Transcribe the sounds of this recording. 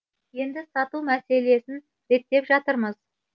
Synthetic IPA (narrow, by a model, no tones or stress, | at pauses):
je̞nd̪ɪsɑt̪umæse̞le̞sɪn | ɾe̞kt̚t̪ːe̞pʒɑt̪əɾməz̥